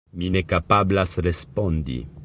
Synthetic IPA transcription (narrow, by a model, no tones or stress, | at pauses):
mine̞kapablasɾe̞spo̞ndḭ